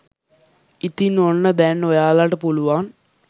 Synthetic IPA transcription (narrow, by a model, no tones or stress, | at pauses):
it̪ːinoɳːɐd̪enːojaːlaːʈːɨpoɭuʋaːn